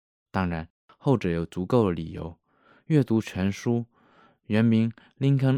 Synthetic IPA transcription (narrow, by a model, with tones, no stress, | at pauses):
t̪ɑ˥ŋɻa˧˥n | xo˥˩ʊʈ͡ʂɤ˧˥jo˨˩ʊt͡su˧˥ko˥˩ʊd̪ə˩lḭ˨˩jo˧˥ʊ | ɥɛ˥˩t̪u˧˥t͡ɕʰɥɛ˧˥nʂu˥ | ɻə˧˥nmi˧˥ŋ | li˥ŋkʰə˥ŋ